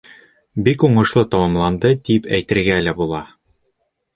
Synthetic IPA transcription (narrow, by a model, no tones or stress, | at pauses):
bikuɴɤ̆ʃlˠɤt̪ɑmɑmlˠɑnd̪ɤd̪ipæjt̪ɘ̆ɾɡælæbulˠɑ